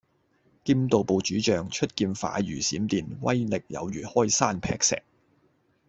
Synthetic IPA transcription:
kiː˥mt̪o˨wpo˨˧wt͡ʃyː˨˥t͡ʃœː˨ŋt͡ʃʰɵ˥t̚kiː˧nfa̰ː˨˥jyː˨˩siː˨˥mt̪iː˧nwɐ̰˥jlɪ˨k̚jɐ̰˨˧wjyː˨˩hɔː˥˩jsaː˥npʰɛː˧˥k̚sɛ̰ː˨k̚

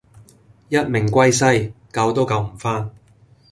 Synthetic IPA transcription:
jɐ˥t̚mɪ˨˩ŋkʷɐ˥jsɐ˥jkɐ˧wt̪o˥wkɐ˧wm̩˨˩faː˥n

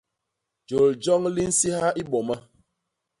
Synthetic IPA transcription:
d͡ʒo˨ld͡ʒɔ˦ŋli˦n̩˦si˦ha˦ʔi˦ɓɔ˨ma˦

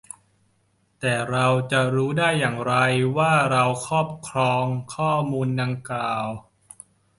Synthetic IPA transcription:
t̪ɛː˨˩ɾa˧wt͡ɕa˨˩ɾuː˦˥daː˥˩jːaː˨˩ŋɾa˧jwaː˥˩ɾa˧wkʰɔː˥˩p̚kʰɾɔː˧ŋkʰɔː˥˩muː˧nda˧ŋkaː˨˩w

